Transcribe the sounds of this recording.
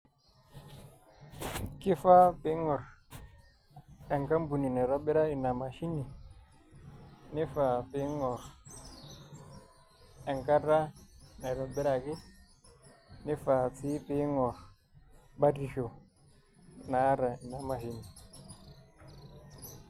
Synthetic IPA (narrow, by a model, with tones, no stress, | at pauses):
ki˦fa˦pi˦ŋɔ˨ɾ | ɛ˨ŋka˦mbu˨ni˨nɛ˨ɾɔ˦ɓi˦ɾa˦i˨na˨ma˨ʃi˦ni˨ | ni˦fa˨pi˦ŋɔ˨ɾ | ɛ˨ŋka˦da˦nɛ˨ɾɔ˨bi˦ɾa˨ki˦ | ni˦fa˨t͡si˦pi˦ŋɔ˨ɾ | ba˦di˨ʃo˨ | na˦ɾa˨i˨na˨ma˨ɦi˦ni˨